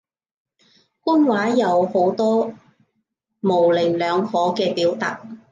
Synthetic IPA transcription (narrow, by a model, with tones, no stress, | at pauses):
kʷʊ˥nwaː˨˥jɐ˨˧who˨˥wt̪ɔː˥ | mo˨˩wlɪ˨˩lœː˨˧ŋhɔː˨˥kɛː˧piː˨˥wt̪aː˨k̚